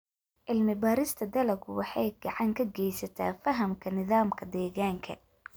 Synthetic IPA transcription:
ʔɪlmɪbaːɾɪst̪ʰɐd̪ɐlɐɡʊwɑħɑjɡɑʕɑŋkʰɐɡɛjsɐt̪ʰa̰ːfɐɦɐmkʰɐnɪðaːmkʰɐd̪ɛːɣaːŋkʰɐ̰

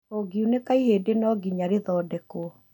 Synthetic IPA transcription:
oɡiunekaiheːdenɔɡiɲaɾeðɔːdɛko

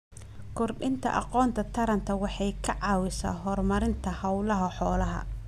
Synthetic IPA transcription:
kʰʊrɖɪnt̪ʰɐ̰ʔɑ̰qɔːnt̪ʰɐt̪ʰɐɾɐnt̪ʰɐwɑħɑjkʰɐʕɑːwɪsa̰ːɦɔrmɐɾɪnt̪ʰɐhɐwlɐɦɐħɔːlɐɦɐ̰

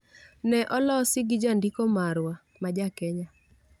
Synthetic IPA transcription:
nɛʔɔlɔsɪɡɪd͡ʒandikomaɾwa | mad͡ʒakɛɲa

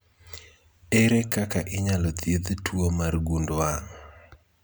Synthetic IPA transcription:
ɛɾɛkakaʔɪɲalɔt̪jed̪twomarɡundwaŋ

